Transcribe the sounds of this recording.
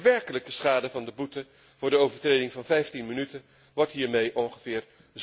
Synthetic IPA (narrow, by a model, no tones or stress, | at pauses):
ʋɛɹkələkəsχaːdəvɑndəbutə | v̥ʊːɹdəowvəɹtrejdɪŋvɑnvɛjftinmənytə | ʋɔɹtɦiːɹmejʔɔŋχəv̥ɪːɹ | z